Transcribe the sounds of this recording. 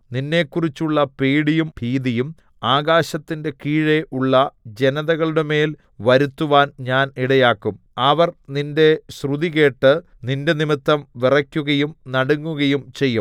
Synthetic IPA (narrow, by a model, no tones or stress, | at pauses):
ninːe̞ːkːurit͡ɕːuɭːɐpeːɽijumpiːðijum | aːɣaːɕɐt̪ːinde̞kiːɻeʔuɭːɐd͡ʑe̞nɐðɐɣɐɭuɽeme̞ːl | ʋɐɾut̪ːuʋaːnɲaːniɽɐjaːkːum | ɐʋɐrninde̞ɕruðiɣe̞ːʈːɨ | ninde̞nimit̪ːɐmʋirɐkʲːuɣɐjumnɐɽuŋːuɣɐjumt͡ɕe̞jːum